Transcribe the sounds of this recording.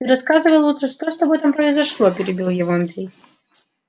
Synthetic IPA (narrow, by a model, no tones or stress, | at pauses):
ɨɾɐskazɨvɐlˠut̪rɐʂt̪ɔʂt̪ɔbɛt̪ɐmpɾɐjzɐʂlˠɔpʲɪɾʲɪbʲilˠjɛvɔɐnd̪ɾʲij